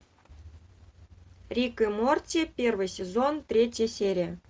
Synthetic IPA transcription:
rʲikɨmortʲepʲervɨjsʲezont̪rʲetʲjesʲeɾʲiə

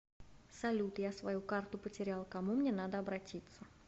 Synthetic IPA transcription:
sɐlʲut̪jasvɐjukart̪ʊpətʲɪɾʲalˠkɐmumnʲen̪ad̪əɐbɾɐtʲit̪sə

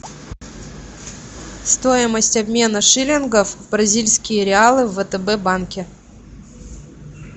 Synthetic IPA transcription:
st̪o̞jɪməsʲtʲɐbmʲe̞nəʂɨlʲɪnɡəfbɾɐzʲilʲsʲkʲɪjəɾʲɪalˠɨvət̪əbɛbankʲɪ

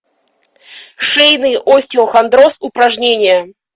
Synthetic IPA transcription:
ʂejnɨjʔosʲtʲɪoxɐnd̪ɾosʊpɾɐʐnʲenʲɪjə

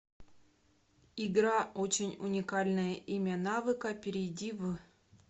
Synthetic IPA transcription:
iɡɾaot͡ɕɪnʲunʲikalʲnɨjəʔimʲanavɨkɐpʲɪɾʲɪdʲivɨ

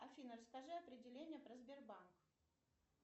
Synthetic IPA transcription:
ɐfʲinərəskɐʐɨɐpɾʲɪdʲɪlʲenʲɪjəpɾəzbʲɪrbank

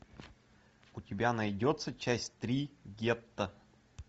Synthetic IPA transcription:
ʊt̪ʲibʲanɐjdʲɔt̪sət͡ʃasʲt̪ɾiɡʲɛp̚t̪ə

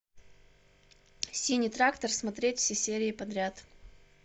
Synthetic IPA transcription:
sʲilʲnʲɨt̪ɾakt̪ərsmɐt̪ɾʲetʲfsʲesʲeɾʲɪɪpɐd̪ɾʲat̪

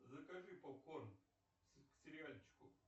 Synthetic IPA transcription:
zəkɐʐɨpɐkorn | sksʲɪɾʲɪalʲt͡ɕkʊ

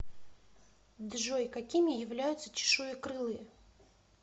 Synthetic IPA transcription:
d̪ʐojkɐkʲimʲɪjɪvlʲæjʊt̪sət͡ɕɪ̥ʂujɪkɾɨlˠɨj

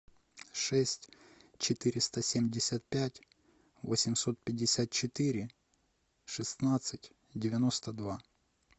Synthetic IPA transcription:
ʂɛsʲtʲt͡ɕɪt̪ɪɾʲɪst̪əsʲemʲdʲɪsʲat̪̚pʲætʲ | vosʲɪmso̞t̪̚pʲɪdʲːɪsʲat̪̚t͡ɕɪt̪ɪɾʲɪ | ʂɨsnat̪sɨtʲ | dʲɪvʲɪnost̪əd̪va

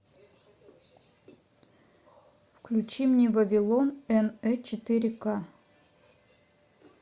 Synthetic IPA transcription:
fklʲut͡ɕimnʲevɐvʲɪlˠonɛnɛt͡ɕɪt̪ɨɾʲɪka

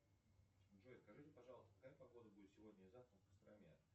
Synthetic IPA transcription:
ʐojɪskɐʐɨtʲɪpɐʐɑlˠəst̪əkɐkajəpɐɡo̞d̪əbudʲɪt̪sʲɪvodʲnʲəizaft̪əmkəst̪ɾamʲa̰

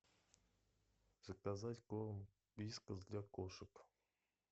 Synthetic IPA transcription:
zəkazatʲkom | b̥lʲiskəzd̪lʲakoʂəp

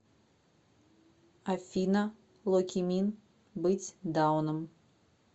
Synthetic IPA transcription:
afʲinɐ | lˠɔkʲimʲin | bɨt͡sʲd̪awnɨm

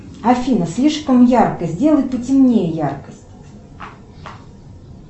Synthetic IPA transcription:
ɐfʲinəsʲlʲiʂkəmjarkəzʲdʲe̞lˠəjt̪̚pətʲɪmnʲejəjarkəsʲtʲ

